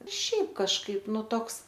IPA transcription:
ˈʃʲɛɪp kɐʃˈkɐɪp ˈnʊ ˈtoːks

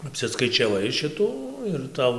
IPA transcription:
ɐpʲsʲɪskɐɪt͡ʃʲɛˈʋɐɪ ˈʃʲɪtuː ɪr ˈtɐʊ

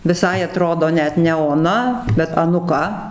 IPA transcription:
ʋʲɪˈsɐɪ ɐˈtroːdoː ˈnʲɛt nʲɛ oːˈnɐ bʲɛt ɐnʊˈkɐ

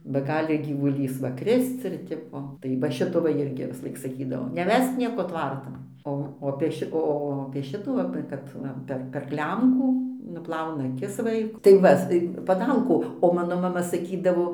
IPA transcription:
bɐ ˈɡɑːlʲɪ ɡʲiːʋʊˈlʲiːs ˈʋɐ ˈkrʲɪst͡s ɪr ˈtʲɪpoː tɐɪ ʋɐ ˈʃʲɪtoː ˈʋɐ ˈɪrʲɡʲɪ ʋʲɪsˈlˠɐɪk sɐˈkʲiːdɐʋoː nʲɛˈʋʲɛsk ˈnʲiɛkoː ˈtʋɐrtɐn ˈoː oː ɐpʲeː ˈʃʲɪ ˈoː ɐpʲeː ˈʃʲɪtuː ɐpʲeː ˈkɐt ˈʋɐ pʲɛr pʲɛr ˈklʲɛmkuː nʊˈplˠɐʊnɐ ˈɑːkʲɪs ˈʋɐɪkʊ tɐɪ ˈʋɐ s pɐˈdɐlˠkʊ oː ˈmɑːnoː mɐˈmɐ sɐˈkʲiːdɐʋoː

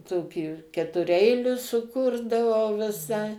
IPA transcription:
ˈtoːkʲiː kʲɛtʊˈrʲɛɪlʲʊs sʊˈkʊrdɐʋɐʊ ʋʲɪˈsɐɪ

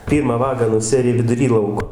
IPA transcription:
ˈpʲiːrmɑː ˈʋɑːɡɑː nʊˈsʲæːrʲɪ ʋʲɪdʊˈrʲiː ˈlˠɐʊkoː

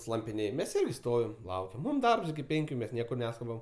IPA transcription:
slˠɐmʲpʲɪˈnʲeːj mʲɛs ˈɪrʲɡʲɪ ˈstoːʋʲɪm ˈlˠɐʊkʲɛm ˈmuːm ˈdɐrps ɪkʲɪ ˈpʲɛŋʲkʲʊ ˈmʲɛs ˈnʲiɛkʊr ˈnʲæːskʊbɐm

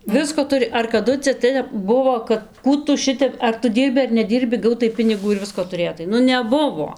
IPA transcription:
ˈʋʲɪskoː ˈtʊrʲɪ ɐr kɐˈdʊ t͡sʲɛ ˈtʲɛp ˈbʊʋoː kɐt ˈkuː tʊ ˈʃʲɪtʲɛp ɐr tʊ ˈdʲiːrʲbʲɪ ɐr nʲɛˈdʲiːrʲbʲɪ ˈɡɐʊtɐɪ ˈpʲɪnʲɪɡuː ɪr ˈʋʲɪskoː tʊˈrʲeːtɐɪ ˈnʊ nʲɛˈbʊʋoː

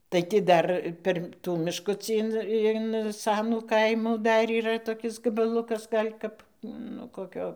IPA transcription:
tɐɪ tʲɪ ˈdɐr ˈpʲɛr ˈtuː mʲɪʃˈkʊt͡sʲiː ɪn ɪn ˈsɑːnuː ˈkɐɪmuː ˈdɐr iːˈrɐ toːˈkʲɪs ɡɐbɐˈlˠʊkɐs ˈɡɐlʲ kɐp ˈnʊ koːˈkʲoː

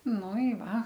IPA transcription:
ˈnʊ ɪ ˈʋɐ

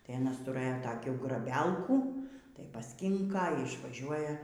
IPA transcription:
tɐɪ ɐˈnɐs tʊˈrɘjoː tɐˈkʲuː ɡrɐˈbʲɛlˠkuː tɐɪ pɐsʲˈkʲɪŋkɐ iː ɪʃʋɐˈʒʲuɔjɛ

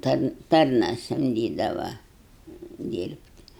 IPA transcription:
ˈtɐn ˈtɐrnɐ sɐmʲˈdʲiːdɐʋɐ ˈdʲiːrʲpʲtʲ

